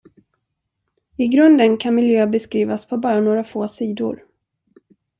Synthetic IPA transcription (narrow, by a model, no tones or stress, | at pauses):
ɪɡɾɵnd̪ənkʰanmɪljøːbɛskɾiːvaspʰɔbɑːɾanoːɾafoːsiːd̪ʊ̰ɾ